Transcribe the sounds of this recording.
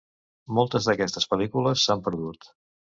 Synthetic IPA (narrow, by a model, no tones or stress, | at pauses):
mɔlˠt̪əzðəkɛst̪əspəlikuləsːampəɾðut̪